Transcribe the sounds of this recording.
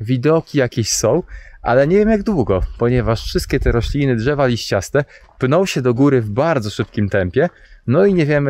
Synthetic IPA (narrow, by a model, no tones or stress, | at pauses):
vʲid̪ɔkʲijakʲeɕsɔ̃w̃ʔa̰lɛɲɛvʲjɛmjaɡd̪wuɡɔpɔɲɛvaʂfʂɘst̪kʲɛt̪ɛɾɔɕlʲinɘdʐɛvalʲiɕt͡ɕast̪ɛpnɔ̃wɕɛd̪ɔɡuɾɘvbaɾd̪zɔʂɘp̚kʲimt̪ɛmpʲjɛnɔiɲɛvʲjɛmɘ